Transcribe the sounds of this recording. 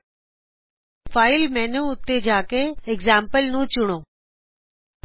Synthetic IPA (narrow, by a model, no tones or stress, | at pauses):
faːɪlmɛːnũʊt̪ːed͡ʑaːkeɪɡzaːmpəlnũt͡ʃʊɽ̃õː